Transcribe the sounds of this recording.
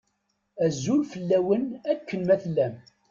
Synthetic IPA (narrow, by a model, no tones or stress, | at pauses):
æzːulfəlːæwənækːənmæθlːæm